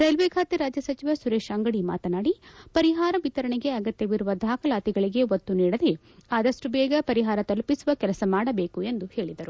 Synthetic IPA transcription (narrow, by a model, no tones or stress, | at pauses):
ɾɐjlʋeːkʰaːt̪iɾaːd͡ʒjɐsɐt͡ʃiʋɐsuɾeːʃaːŋɡɐɽima̰ːt̪ɐnaːɽipɐɾiɦaːɾɐʋit̪ɐɾɐɳeɡe̞ɐɡɐt̪jɐʋiɾuʋɐd̪ʱaːkɐlaːt̪iɡɐɭiɡe̞ot̪ːuniːɽɐd̪e̞ | aːd̪ɐʂʈubɛːɡɐpɐɾiɦaːɾɐt̪ɐlpisuʋɐkɛlɐsɐmaːɽɐbe̞ːkue̞nd̪uhe̞ːɭid̪ɐɾu